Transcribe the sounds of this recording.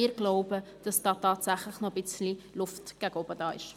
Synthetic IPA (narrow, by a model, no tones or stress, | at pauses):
ɪːɾɡ̥loʊbəd̥ɑsdɑːtɑːtsæχləχnɔbɪt͡slilʊftɡ̥æɡɔbədɑːɪ̰ʃ